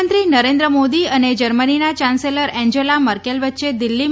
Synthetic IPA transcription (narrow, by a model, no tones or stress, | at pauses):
ənt̪ɾinəɾẽnd̪ɾəmod̪iəned͡ʒəɾməninat͡ʃãnseləɾɛ̃ɲd͡ʑelaməɾkelʋətːʃed̪ilːi